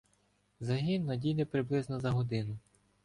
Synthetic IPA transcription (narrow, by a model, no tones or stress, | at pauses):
zɐɦinːɐdʲinɛpɾɪblˠɪznɔzɐɦɔd̪ɪnʊ